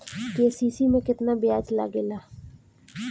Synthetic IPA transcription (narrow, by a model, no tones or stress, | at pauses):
keːsiːsimẽkɪt̪nabɪjaːd͡ʒla̰ɡelaː